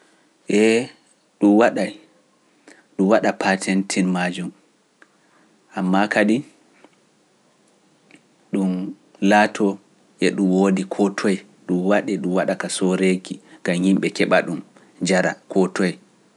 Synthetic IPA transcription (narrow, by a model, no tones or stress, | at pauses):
ʔɛ | ɗumwaɗaj | ɗumwaɗapatʰɛntʰinmad͡ʒum | ʔamːakadi | ɗum | latʰɔ | ʔɛɗumwodikʰɔtʰɔj | ɗumwaɗɛɗumwaɗakasoɾekiɡ̥amhimɓɛkɛɓaɗum | d͡ʒaɾa̰kʰɔtɔj